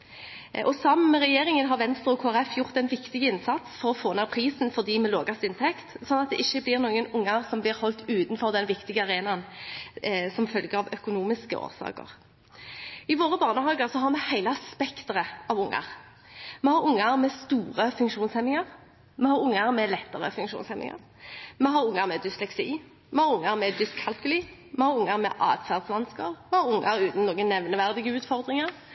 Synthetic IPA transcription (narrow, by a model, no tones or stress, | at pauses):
ʔɔsɑmmɛʁɛjeːʁɪŋənɦɑʁʋɛnst̪ʁəɔkʰoːæʁɛfjʊʁt̪ɛɪnʋɪkt̪ɪɡəɪnsɑt̪sfɔʁɔfoːneːʁpʰʁiːsnfɔʁd̪iːmɛlo̰ːɡɑst̪ɪnt̪ʰɛkt̪sɔnːɑt̪̚d̪ɛ̰ʔɪçːəblɪʁnuːɡənʊŋːəʁsɔmblɪʁhɔlt̪ʉːt̪nfɔʁd̪ɛnʋɪkt̪ɪɡəɑʁeːnɑn | sɔmfœlɡəʁɑʋœkʊnuːmɪskə̰o̰ːʁsɑ̰ːkə̰ʁ | ɪʋoːʁəbɑːʁnəɦɑːɡəʁsɔɦɑʁmɛhæɪləɑspɛkt̪əʁəɑʋʊŋːə̰ʁ | mɛhɑʁʊŋːəʁmɛst̪uːʁəfʉŋkʃuːnshɛnːɪŋəʁ | mɛhɑɾʊŋːəʁmɛlɛt̪ːəʁə̰fʉŋkʃṵːnsɛnːɪ̰ŋɑ̰ʁ | mɛɦɑɾʊŋːəʁmɛd̪ʏslɛksiː | mɛhɑʁʊŋːəʁmɛd̪ʏskkʰɑlkʉliːmɛhɑʁʊŋːəʁmɛ̰ʔɑ̰ːt̪fæʁd̪sʋɑnskəʁmɛhɑʁʊŋːəʁʉːt̪n̩noːɡənɛʋnəʋæʁd̪ɪɡəʉːt̪fɔʁd̪ʁɪŋəʁ